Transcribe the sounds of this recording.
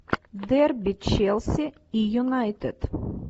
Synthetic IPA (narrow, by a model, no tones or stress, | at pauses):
d̪ɛɾbit͡ʃɛlˠsi | ijunajt̪ɛt̪